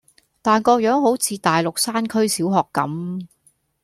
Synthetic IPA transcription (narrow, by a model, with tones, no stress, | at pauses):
t̪aː˨nkɔː˧k̚jœː˨˥ŋɦo˨˥wt͡sʰiː˨˧t̪aː˨jlʊ˨k̚saː˥nkʰɵ˥ɥsiː˨˥wɦɔː˨kːɐ̰˨˥m